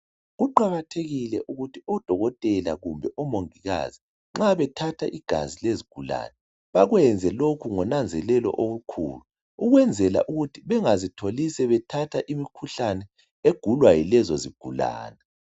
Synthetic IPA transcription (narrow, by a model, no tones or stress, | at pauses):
ɣuǃaɣatʰeɣilɛʔuɣutʰiɔd̥ʱɔɣɔtʼɛla̰ɣumbʱɛʔɔmoŋiɣa̰zi | ŋ͡ǁaβɛtʰatʰaʔiɡ̥ʱa̰zileziɡ̥ʱula̰ːnɛ | βaɣwɛnd͡zʱɛlokʰuŋɔnand͡zʱɛlɛlɔ̰ʔoɣukʰṵluː | ɣwɛnd͡zʱɛla̰ʔuɣutʰiβɛŋazitʰolisɛβɛtʰatʰaʔimikʰuɬanɛ | eɡ̥ʱulwajilɛzɔziɡ̥ʱula̰ːnɛ